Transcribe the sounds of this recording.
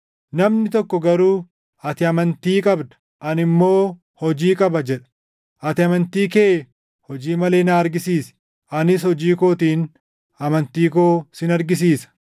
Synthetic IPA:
nɐmnɪt̪ɔkːɔɡɐɾuː | ɐt̪ɪɐmɐnt̪iːkʼɐbd̪ɐ̥ | ʔɐnɪmːo̞ː | hɔd͡ʒiːkʼɐbɐd͡ʒɛᶑɐ̥ | ʔɐt̪ɪɐmɐnt̪iːke̞ː | hɔd͡ʒiːmɐleːnaːɐɾɡɪsiːsɛ̥ | ʔɐnɪshɔd͡ʒiːkoːt̪iːn | ɐmɐnt̪iːkoːsɪnɐɾɡɪs̬iːsɐ̥

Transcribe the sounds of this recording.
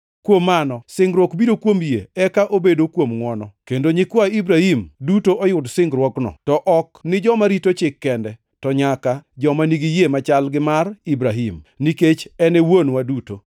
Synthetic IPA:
kwomːanɔsɪŋɡɾwɔkbidokwomjḛɛkaʔobedokwomŋwɔnɔkendoɲɪkwaibɾahimdutoʔɔjʊdsɪŋɡɾwɔknɔ̰tɔʔɔknɪd͡ʒɔmaɾitot͡ʃɪkːɛndɛ | tɔɲakad͡ʒɔmaniɡijemat͡ʃalɡɪmaribɾaɦimniket͡ʃɛnɛwonwaduto̰

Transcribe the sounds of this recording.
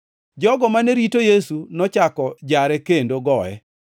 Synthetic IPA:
d͡ʒɔɡɔmaneɾitojesunɔt͡ʃakɔd͡ʒaɾɛkendoɡɔɛ̰

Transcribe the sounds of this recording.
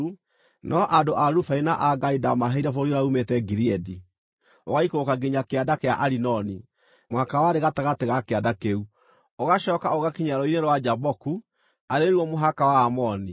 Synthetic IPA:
nʔɔʔadoʔaɾufainaʔaɡaidamaɦeiɾafoɾiɾaumetɛɡiɾiɛdi | oɣaikokaɡeɲakeadakeaʔaɾinɔni | mohakawaɾeɣataɣateɣakeadakeu | oɣaɕɔːkaoɣakiɲaɾɔineɾwad͡ʒabɔku | aɾeeɾwɔmoɦakawaːmɔni

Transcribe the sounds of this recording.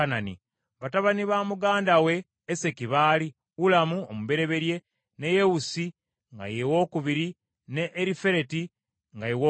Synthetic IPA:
ananḭ | βataβaniβaːmuɡaːndawe̞ː | se̞kiβaːli | wulamuomuβe̞ɾe̞βe̞ɾje̞ | neje̞wusi | ŋɡa̰jewo̞ːkuβiɾi | ne̞ʔːɾife̞ɾe̞ti | ŋɡajewo

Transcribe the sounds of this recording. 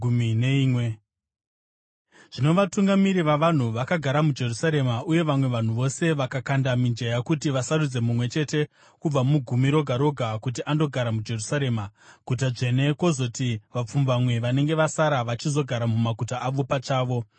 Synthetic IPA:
umineiːmwe | ʐ̥ino̞ʋatuŋɡamiɾiʋaʋan̤uʋakaɡʱaɾamud͡ʒe̞rusaɾe̞maʔuje̞ʋamwe̞ʋan̤uʋo̞se̞ʋakakandamind͡ʒejakutiʋasaɾud͡ze̞mumwe̞t͡ʃe̞te̞ | kub͡vamuɡʱumiɾo̞ɡʱaɾo̞ɡʱakut̬iʔando̞ɡʱaɾamud͡ʒe̞rusaɾe̞ːmaɡ̥ʱutaʐe̞ne̞ko̞zo̞tiʋap͡fumbamwe̞ʋane̞ŋɡe̞ʋasaɾaʋat͡ʃizo̞ɡʱaɾamumaɡʱutaʔaʋopat͡ʃaːʋo̞

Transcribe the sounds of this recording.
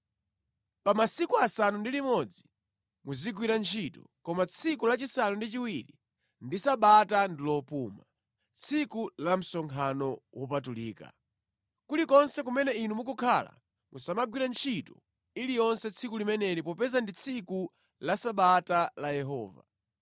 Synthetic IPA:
pamasikuasanundilimɔd͡zi | muziɡwiɾant͡ʃʰitɔ̰kɔmat͡sʰikulat͡ʃisanundit͡ʃiwiɾi | ndisaɓatandilɔpuːma | t͡sʰikulam̩sɔŋkʰanɔwʔɔpatulḭːka̰ | kulikɔnsɛkumɛnɛinumukukʰala̰ | musamaɡwiɾant͡ʃʰitɔ | ilijɔnsɛt͡sʰikulimɛnɛɾipɔpɛzandit͡sʰiku | lasaɓatalajɛɦɔːva̰

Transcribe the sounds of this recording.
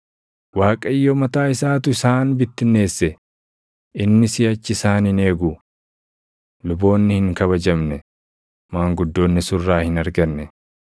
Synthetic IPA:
waːkʼɐjːomɐt̪aːɪsaːt̪ʊɪsaːnbɪt̪ːɪnːe̞ːsːɛ | ɪnːɪsɪjɐt͡ʃːɪɪsaːnɪne̞ːɡu | lʊbo̞ːnːɪhɪŋkɐβɐd͡ʒɐmnɛ | maːŋɡʊd̪ːo̞ːnːɪsʊrːaːhɪnɐɾɡɐnːɛ

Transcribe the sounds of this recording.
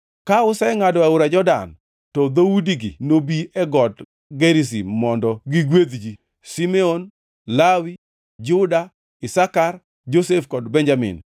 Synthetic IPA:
kaʊsɛŋadɔaʊɾad͡ʒɔda̰n | tɔd̪oudiɡḭnobiɛɡɔd | ɡeɾis̬imɔndɔɡiɡwed̪d͡ʒi | simɛon | lawi | d͡ʒʊda | ɪsakar | d͡ʒosefkɔdbɛnd͡ʒamɪ̰n

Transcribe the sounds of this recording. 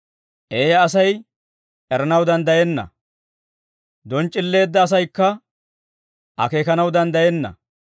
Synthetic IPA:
ʔeːjɐːsɐj | ʔɛɾɐnɐwd̪ɐnd̪ɐjɛnːɐ̰ | d̪ɔnt͡ʃʼːɪlːe̞ːd̪ːɐːs̬ɐjkːɐ | ʔɐ̰ke̞ːkɐnɐwd̪ɐnd̪ɐjɛnːɐ̰

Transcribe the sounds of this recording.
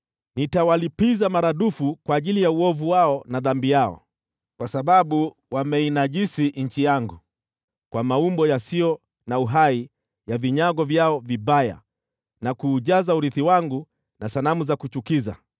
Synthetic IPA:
nitawalipizamaɾaɗufukwaːʄilijauɔvuwaɔnaðambijaɔ̰ | kwasaɓaɓu | wamɛinaʄisiɲ̩t͡ʃijaŋɡu | kwamaumbɔjasiɔ | nauɦai | javiɲaɡɔvjaɔviɓaja̰ | nakuːʄazauɾiθiwaŋɡu | nasanamuzakut͡ʃukiza̰

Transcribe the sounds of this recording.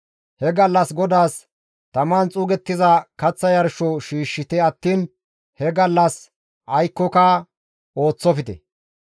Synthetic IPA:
hɛɡɐlːɐsɡɔd̪aːs | t̪ɐmaːnt͡sʼuːɡɛt̪ːɪzɐkɐt͡sːɐjɐɾʃɔʃiːʃːɪt̪ɛɐt̪ːiːn | hɛɡɐlːɐs | ʔɐjkːɔkɐ | o̞ːt͡sːɔfɪt̪ɛ̰

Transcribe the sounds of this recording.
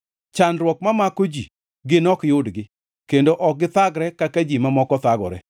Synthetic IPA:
t͡ʃanɾwɔk̚mamakod͡ʒi | ɡɪnɔkjʊdɡɪ | kendoʔɔk̚ɡɪt̪aɡɾɛkakad͡ʒimamɔkɔt̪aɡɔ̰ɾɛ

